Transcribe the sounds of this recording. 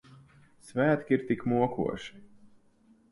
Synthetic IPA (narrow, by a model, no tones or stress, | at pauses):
svæːt̪kʲiɾt̪ikmuɔkʰṵɔʃi̥